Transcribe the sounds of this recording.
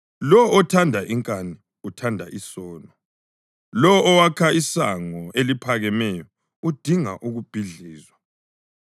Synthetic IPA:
lɔːtʰandʱaʔiŋkʼani | utʰandʱaʔisɔːnɔ | lɔːwakʰaisaŋɔʔelipʰaɣɛmɛjɔ | ud̥ʱiŋa̰ʔuɣub̥ʱiɮiːzwa

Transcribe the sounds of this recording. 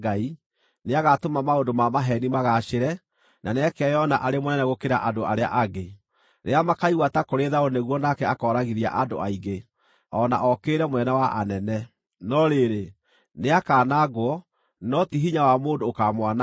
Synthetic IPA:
ɡai | neaɣatomamaodomamaɦɛnimaɣaʃeɾɛ | nʔaneakɛjɔna̰ʔaɾemɔnɛnɛɣokeɾaʔadoaɾea̰ʔaɡe | ɾeamakaiɣwatakoɾeðaoneɣwɔnakɛakɔːɾaɣiɾia̰ʔado̰aiɡe | ɔna̰ʔɔkeɾɛmwɛnɛwaʔanɛnɛ | nɔɾeɾe | neakaːnaɣwɔ | nɔtiɦiɲawamoːndoːkamwana

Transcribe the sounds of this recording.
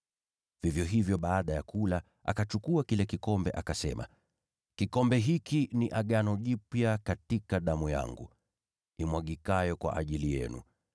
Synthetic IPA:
v̥ivjɔɦivjɔɓaːɗajakula | ʔa̰kat͡ʃukuakilɛkikɔmbɛʔakasɛ̰ma̰ | kikɔmbɛɦikiniʔaɠanɔʄipjakatikaɗamuja̰ŋɡṵ | imwaɠikajɔkwa̰ʔaʄilijɛ̰nṵ

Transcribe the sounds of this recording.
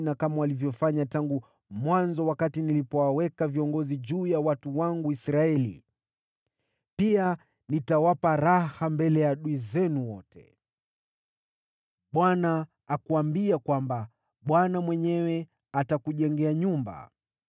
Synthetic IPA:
nakamawalivjɔfaɲataŋɡu | mwanzɔwakatinilipɔwawɛkaviɔŋɡɔziʄuːjawatuwaŋɡuisɾaɛlḭ | pia | nitawapaɾahambɛlɛjaɗuizɛnuwɔtɛ̰ | ɓwanaː | kuambiakwamba | ɓwanamwɛɲɛwɛ | atakuʄɛŋɡɛaɲumba̰

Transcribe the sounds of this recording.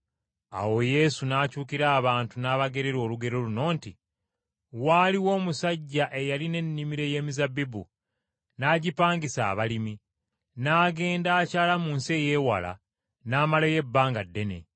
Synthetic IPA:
a̰wo̞je̞sunaːcuːkiɾaːβaːntunaːβaɡe̞ɾe̞ɾo̞ːluɡe̞ɾo̞luno̞ːnti | waːliwo̞ːmusaɟːaʔe̞jaline̞nːimiɾe̞je̞ːmizabibu | naːɟipaːŋɡisa̰ːβalimi | naːɡe̞ːndaːcaːlamuːnse̞je̞ːwa̰la̰ | naːmaleje̞bːaːŋɡadːe̞ne̞̰

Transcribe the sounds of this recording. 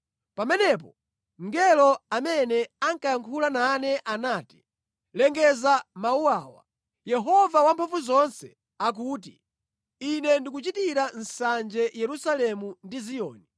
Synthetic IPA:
pamɛnɛp̬ɔ | ŋɡɛlɔamɛnɛaŋkajaŋkʰulananɛʔanaːti̥ | lɛŋɡɛzamauwaːwa̰ | jɛɦɔvawampʰafuzɔnsɛ | ak̬uːt̬i | inɛndik̬ut͡ʃitiɾan̩sand͡ʒɛjɛɾusalɛmundizijɔːni

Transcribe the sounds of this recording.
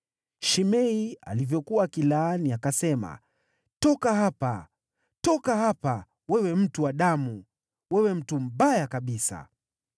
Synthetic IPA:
ʃimɛia̰livjɔkuwakilaːniakasɛma̰ | tɔkaɦapa̰ | tɔkahapa | wɛwɛm̩tuwaɗamu | wɛwɛm̩tum̩ɓajakaɓisa̰

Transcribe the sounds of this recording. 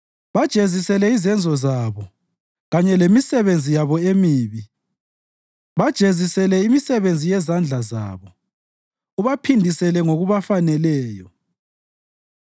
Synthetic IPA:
βad̥ʒ̥ʱezisɛlɛizɛnd͡zʱɔzaβɔ | ɣaɲɛlemisɛβend͡zʱijaβɔemiːβi | βad̥ʒ̥ʱezisɛlɛimisɛβend͡zʱijɛzand͡ɮʱaza̰ːβɔ | uβapʰindʱisɛlɛŋoɣuβafanɛlɛːjɔ

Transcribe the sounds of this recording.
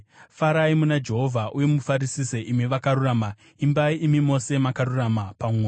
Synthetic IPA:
faɾaimunad͡ʒe̞ɦo̞vʱaʔuje̞mufaɾisiseʔimiʋakaɾuraːma | imbaiːmimo̞se̞makaɾuramapam

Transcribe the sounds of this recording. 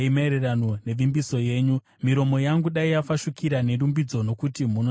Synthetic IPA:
imeɾeranone̞ʋimbiso̞je̞ːɲu | miɾo̞mo̞jaŋɡuɗaijafaʃukiɾane̞ɾumbid͡zo̞no̞kutimuno

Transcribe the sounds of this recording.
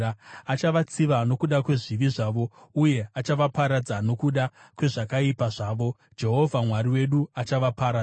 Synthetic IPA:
aat͡ʃaʋat͡siʋano̞kuɗakwe̞ʐiʋiʐaːʋo̞uje̞at͡ʃaʋapaɾad͡zano̞kuɗakwe̞ʐakaipaʐaːʋo̞ | d͡ʒe̞ɦo̞vʱamwaɾiwe̞ɗuat͡ʃaʋapaɾa

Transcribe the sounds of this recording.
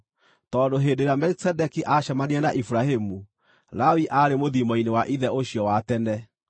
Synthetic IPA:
tɔːndoɦeːdeɾamɛɾisɛdɛkiʔaɕamaniɛnaʔifuɾahemu | ɾawiʔaɾemoðimɔinewaʔiðɛoɕjɔwatɛnɛ

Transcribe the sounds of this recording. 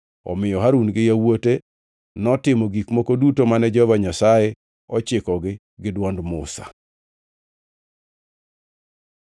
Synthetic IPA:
ɔ̰mɪjɔɦaɾunɡɪjawote | nɔtɪmɔɡikmokodutomanɛd͡ʒɔvaɲasaje | ɔt͡ʃɪkɔɡɪ | ɡɪdwɔndmʊsa̰

